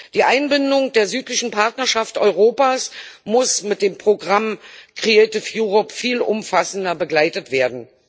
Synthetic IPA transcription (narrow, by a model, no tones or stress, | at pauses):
d̥iːʔaɪnbɪndʊŋd̥eːɐzyːtlɪçn̩pʰaɐtnɐʃaftʔɔ̰ʏʁ̞oːpaːsmʊsmɪt̚d̥eːmpʁ̥oɡʁamkʁ̥ieɪtɪfjuːʁɔpfiːlʔʊ̰mfasn̩dɐbəɡlaɪtətv̥eːɐdn̩